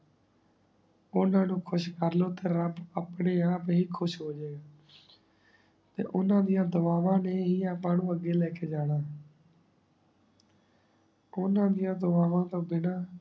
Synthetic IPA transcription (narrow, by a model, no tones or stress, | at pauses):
ʊnãːnũːkʰʊʃkəɾloːt̪eːɾəbaːpɳeːãːpɦiːkʰʊʃɦoːd͡ʒeːɡaː | t̪ḛːʔʊnãːd̪ɪjãːd̪ʊʋaːʋãːneːɦiːaːpãːnũːəɡːeːlɛːkeːd͡ʒaːnaː | ʊnãːd̪ɪjãːd̪əʋaːʋãːt̪õːbɪnaː